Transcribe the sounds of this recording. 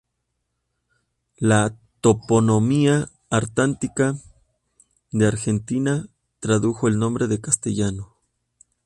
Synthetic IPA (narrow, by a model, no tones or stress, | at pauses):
lat̪o̞po̞no̞miaː | ɾt̪ant̪ika | ðeaɾxe̞nt̪ina | t̪ɾaðuxo̞e̞lnõ̞mbɾe̞ðe̞kast̪eʝano